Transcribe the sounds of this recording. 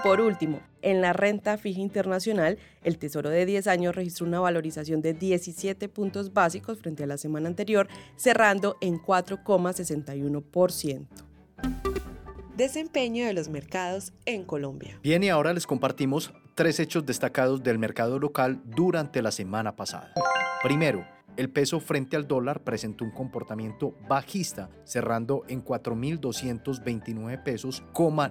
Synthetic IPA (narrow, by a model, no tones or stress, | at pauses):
po̞ɾult̪imo̞̰ | e̞nlare̞nt̪afixaint̪e̞ɾnasjo̞nal | e̞lt̪e̞so̞ɾo̞ðe̞ðje̞s̬aɲosre̞xis̬t̪ɾounaβalo̞ɾisasjo̞nd̪e̞ðje̞sisje̞t̪e̞punt̪o̞zbasiko̞sfɾe̞nt̪ealase̞mãnaːnt̪e̞ɾjo̞ɾse̞rand̪o̞ʔeŋkwat̪ɾo̞ko̞mase̞se̞nt̪ajuno̞po̞ɾsjent̪o̥ | d̪e̞se̞mpe̞ɲoðelozmeɾkaðo̞seŋkolõmbja̰b̥je̞niao̞ɾale̞sko̞mpaɾt̪imo̞s | t̪ɾe̞se̞t͡ʃo̞zd̪e̞st̪akað̞o̞zd̪e̞lme̞ɾkað̞o̞lo̞kald̪uɾant̪e̞lase̞mãnapasa̰ðapɾime̞ɾo̞ | e̞lpe̞so̞fɾe̞nt̪eald̪o̞laɾpɾe̞se̞nt̪o̞uŋko̞mpo̞ɾt̪amje̞nt̪o̞baxist̪a | se̞rand̪o̞ʔe̞ŋkwat̪ɾo̞mild̪o̞sje̞nt̪o̞zbe̞jnt̪inwe̞βepe̞so̞skoma